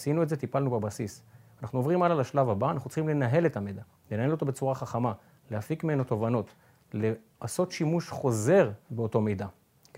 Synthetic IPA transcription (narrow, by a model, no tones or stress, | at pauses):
sinuedzet̪ipalnubebasisanaχnuovʁimalalaʃlavabaːnaχnut͡sslχimle̞naɦe̞le̞tamed̪a | lenaɦe̞lo̞t̪o̞be̞t͡suʁaχaχama | lehafikmienot̪o̞vano̞t | le | aso̞tʃimuʃχo̞ze̞ʁbeoto̞mejda